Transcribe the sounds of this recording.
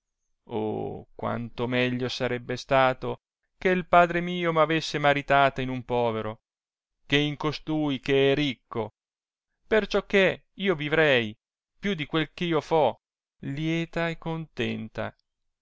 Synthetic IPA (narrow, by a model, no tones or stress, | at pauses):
o̰kwa̰nt̪omɛʎːosaɾɛbːest̪aːt̪o | keilpaːd̪ɾemiːomavesːemaɾit̪aːt̪ainumpɔːveɾo | keiŋkost̪uːjk̟eɛɾikːo | pert͡ʃɔkːe | iːovivɾɛj | pjud̪ikwelkeiːofɔ | ljɛːt̪aekːont̪ɛnt̪a̰